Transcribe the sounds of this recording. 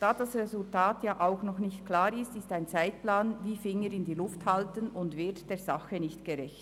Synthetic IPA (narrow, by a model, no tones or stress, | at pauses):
d̥aːd̥asʁezʊltaːtjaːʔaʊxnɔχnɪçtkl̥aːɾɪstɪstaɪnt͡saɪt̚plaːnviːfɪŋəɾɪndiːlʊfthaltənʊntvɪɐtd̥eːz̥aχənɪçtɡ̥əʁɛçt